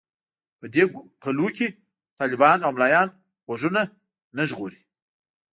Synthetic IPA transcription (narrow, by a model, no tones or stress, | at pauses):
pəd̪ekalukʲe | t̪ɑlɪbɑnawmlɑjɑn | ɣoʒuna | naʒɣoɾi